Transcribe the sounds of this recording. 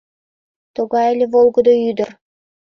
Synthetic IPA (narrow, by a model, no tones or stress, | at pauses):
t̪oɣɑĕlʲĕvolˠɡɤ̆d̪oyd̪ə̆r